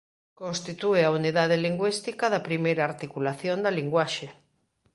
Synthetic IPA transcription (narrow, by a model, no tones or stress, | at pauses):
kõnst̪it̪ueauniðaðeliŋɡwist̪ikaðɐpɾimejɾaːɾt̪ikulaθjond̪ɐliŋɡwaʃe